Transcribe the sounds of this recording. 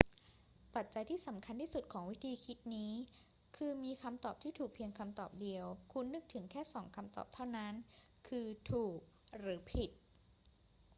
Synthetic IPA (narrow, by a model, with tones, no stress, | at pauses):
pa˨˩t̪̚t͡ɕa˧jt̪ʰiː˥˩sa˩˦mkʰa˧nt̪ʰiː˥˩su˨˩t̪̚kʰɔː˩˦ŋwi˦˥t̪ʰiː˧kʰi˦˥t̪̚niː˦˥ | kʰɯː˧miː˧kʰa˧mt̪ɔː˨˩p̚t̪ʰiː˥˩t̪ʰuː˨˩k̚pʰi˧əŋkʰa˧mt̪ɔː˨˩p̚di˧əwkʰu˧nːɯ˦˥k̚t̪ʰɯ˩˦ŋkʰɛː˥˩sɔː˩˦ŋkʰa˧mt̪ɔ̰ː˨˩p̚t̪ʰa˥˩wna˦˥n | kʰɯː˧t̪ʰuː˨˩k̚ | ɾɯː˩˦pʰi˨˩t̪̚